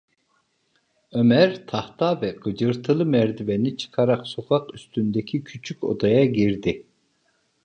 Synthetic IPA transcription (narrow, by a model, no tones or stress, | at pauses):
ømɛɾt̪ʰɑht̪ʰɑvɛqɨd͡ʒɯɾt̪ʰɯlˠɯmɛɾd̪ivɛnɪt͡ʃʰɯ̥qʰɑɾɑqsoqʰɑqyst̪ynd̪ɛkʲʰikʲʰyt͡ʃʰykʲo̰d̪ɑjɑɡʲiɾd̪ɪ